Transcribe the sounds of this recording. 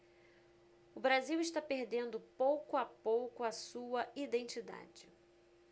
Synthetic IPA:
ʊbɾaziwɪʃt̪apeɾd̪ẽnd̪ʊpowkʊapowkʊɐsuɐid̪ẽnt͡ʃid̪a̰d͡ʒɪ

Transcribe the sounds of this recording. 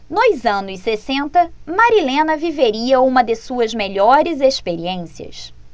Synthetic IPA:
nojzɐ̃nʊssesẽnt̪ɐmaɾilẽnɐviveɾiɐũmɐd̪esuɐzmeʎɔɾɪzespeɾiẽsiɐ̰s

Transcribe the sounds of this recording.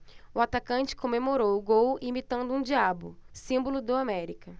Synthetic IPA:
ʊat̪akɐ̃t͡ʃɪ̥kõmemoɾowʊɡowimit̪ɐ̃nd̪ʊũd͡ʒiabʊ̰sĩmbolʊd̪ʊamɛɾikɐ

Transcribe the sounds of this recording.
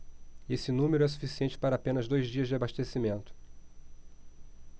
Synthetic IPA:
esɪnũmeɾʊɛs̬u̥fisiẽnt͡ʃɪ̥paɾɐapẽnɐzd̪ojzd͡ʒiɐzd͡ʒɪabaʃt̪esimẽnt̪ʊ̥

